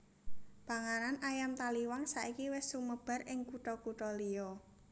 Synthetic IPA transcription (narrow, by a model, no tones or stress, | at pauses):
b̥a̤ŋananajamt̪aliwaŋsaʔikiwɪsuməb̥a̤rɪŋkuʈɔkuʈɔlijɔ